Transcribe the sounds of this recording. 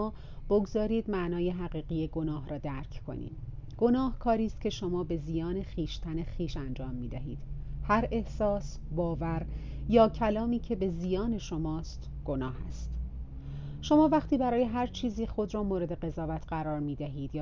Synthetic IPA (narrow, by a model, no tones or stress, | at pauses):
b̥oɡzɒːɾiːd̪mæʔnɒːje̞ɦæɣiːɣijeɡo̞nɒːɦɾɒːd̪æɾcʰkʰo̞̰nḭːd̪ɡ̥o̞nɒːhkʰɒːɾiːst̪̚cʰe̞ʃo̞mɒːbe̞zijɒːne̞χiːʃt̪ʰænexiːʃænd͡ʒɒːmːiːd̪æɦḭːd̪̥hæɾe̞hsɒːs | bɒːvæɾ | jɒːcʰælɒːmiːcʰe̞be̞zijɒːne̞ʃo̞mɒːst̪ | ɡ̥o̞nɒːhæ̰st̪ | ʃo̞mɒːvæχt̪iːbæɾɒːje̞ɦæɾt͡ʃʰiːziːxo̞d̪ɾɒːmoːɾe̞d̪e̞ɣe̞zɒːvæt̪ʰɢæɾɒːɾmiːd̪æɦiːd̪̥jː